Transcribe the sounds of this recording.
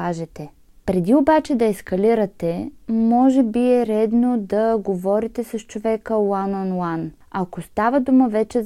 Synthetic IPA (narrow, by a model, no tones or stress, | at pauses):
aʒɛt̪ɛ | pɾɛd̪iobat͡ʃɛd̪ɐɛskɐliɾɐt̪ɛmɔʒɛbiɛɾɛd̪nod̪ɐɡovɔɾit̪ɛsɐst͡ʃovɛkəlˠananlˠan | ɐkost̪avəd̪uməvɛt͡ʃɛ